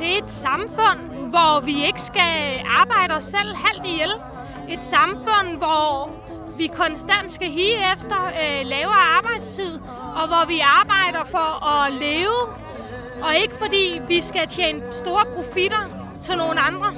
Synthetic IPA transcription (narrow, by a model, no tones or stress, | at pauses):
d̥e̝æe̝d̥sɑ̈mfɔ̽n̰ | ʋɒʋie̝ɡ̥əsɡ̥æɑ̈ːb̥ɑ̈ɪ̰ɾ̥ɒsel̰hæl̰d̥ijel̰ | e̝d̥sɑ̈mfɔ̽n̰ʋɒ | ʋikʰɒ̽nsd̥æn̰d̥sɡ̥æɦiːefd̥ɐlɛːʊɐɑ̈ːb̥ɑ̈ɪ̰d̥st͡sʰið̞̰ˠ | ɒ̽ʋɒʋiɑ̈ːb̥ɑ̈ɪ̰ɾ̥ɐfɒ̽ɒ̽leːʊ | ɒ̽e̝ɡ̥əfɒ̽d̥ḭːʋisɡ̥æt͡ɕʰeːnəsd̥o̝ːɐpʰʁo̝fiɾ̥ɐ | t͡sʰe̝lno̝ːn̩ɑ̈nd̥ʁɐ